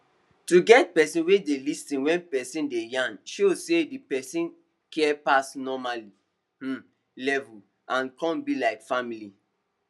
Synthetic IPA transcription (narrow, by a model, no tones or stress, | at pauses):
tuɡɛt̚pɛsĩnwedelistĩnwɛ̃npɛsĩndejãnʃosedipɛsĩn | kɛpasnɔmali | h̩ | lɛvul | ʔãnkɔ̃nbilaɪkfamili